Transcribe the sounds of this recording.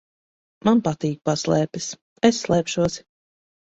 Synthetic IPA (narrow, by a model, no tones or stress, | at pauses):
manpat̪iːk̚paslˠɛːpɛs | esːlˠɛːpʃuɔs